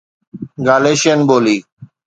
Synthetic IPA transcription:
ɡaːleːʃenboːliː

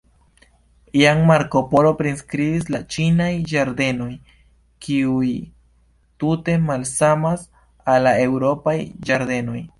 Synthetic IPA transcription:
iaŋmaɾko̞po̞lo̞pɾinskɾibislat͡ʃinajd͡ʒaɾd̪e̞no̞j | kʰiuj | tute̞malsamas | alae̞wɾo̞pajd͡ʒaɾd̪e̞no̞j

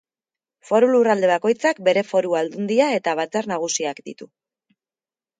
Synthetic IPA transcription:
fo̞ɾulurald̪e̞β̞ako̞jt͡sak̚be̞ɾe̞fo̞ɾuald̪und̪iae̞t̪aβ̞at͡saɾnaɣ̞usiakd̪ḭt̪u

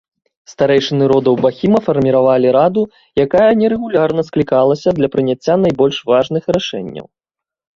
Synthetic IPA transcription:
st̪aɾɛjʂɨnɨɾɔd̪ɐwbaxʲimɐfɐrmʲiɾavalʲiɾad̪u | jakajɐnʲɛɾɛɣulʲarnɐsklʲikalˠɐsʲɐd̪lʲɐpɾɨnʲat͡sʲːan̪ajbɔlʲʂvaʐnɨxraʂɛ̰nʲːɐ̰w

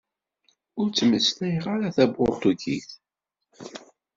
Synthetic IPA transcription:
ʊɾt͡sːməsθæjʁaɾaθæbʁot̪ˤuɡḭθ

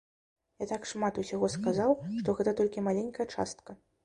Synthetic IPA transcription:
jat̪akʂmat̪usʲaɣɔskazawʂt̪ɔɣɛt̪ɐt̪ɔlʲkʲimalʲenʲkɐjɐt͡ʂa̰st̪̚kɐ

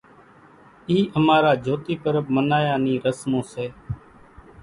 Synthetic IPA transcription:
iːʔəmaːɾaːd͡ʒʱoːt̪iːpəɾəbmənaːjãːniːɾəsmõːseː

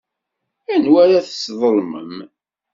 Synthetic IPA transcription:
ænwæɾæθə̥sðˤəlmə̰m

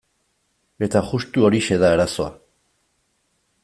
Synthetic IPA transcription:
e̞t̪aɣust̪uo̞ɾiʃe̞ðaeɾaso̞a̰

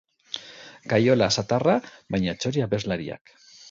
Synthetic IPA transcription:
kajo̞lasat̪araβajɲat͡ʃoɾiaβe̞zlaɾia̰k

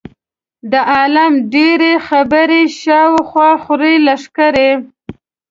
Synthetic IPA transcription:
d̪əʔɑlamɖeɾexabəɾeʃɑwxwɑxɾelaʂkəɾe

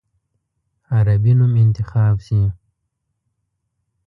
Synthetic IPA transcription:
aɾabinumɪnt̪ɪxɑːbsi

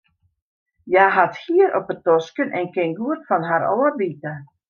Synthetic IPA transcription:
jaɦathiəɾʔɔpətɔskənʔɛ̰nkɪŋɡuətfɔnɦaɾɔːərʋitə

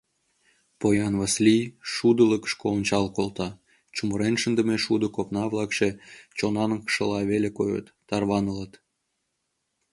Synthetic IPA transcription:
pojɑnβəsliʃud̪ələkʃkoːnt͡ɕɑlkolt̪ɑ | t͡ɕuməɾenʃənd̪əmeʃud̪əkopnɑβlˠɑkʃet͡ɕonɑnəkʃəlɑβelekojə̰t̪ːɑrβɑnələt̪

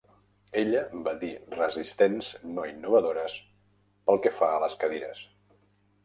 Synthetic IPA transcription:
eʎəbaðirəzist̪enznoinːuβəðoɾəs | pəlˠkɛfaələskəðiɾə̰s

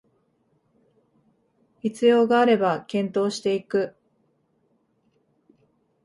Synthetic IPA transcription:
it͡sɨjo̞ːɡaːɾe̞bakẽ̞nt̪o̞ːɕi̥t̪e̞ikɯ̟

